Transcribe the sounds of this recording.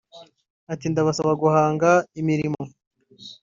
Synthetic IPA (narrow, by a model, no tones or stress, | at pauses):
atindaβasaβaɡuhaːŋɡaimiɾimo̞